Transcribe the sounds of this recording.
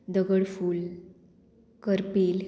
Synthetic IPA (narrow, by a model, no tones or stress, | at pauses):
d̪əɡəɽfuːl | kəɾpiːl